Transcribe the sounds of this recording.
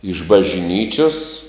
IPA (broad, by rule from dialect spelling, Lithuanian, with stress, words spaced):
ɪʃ bɐʒʲˈnʲiːt͡ʃʲoːs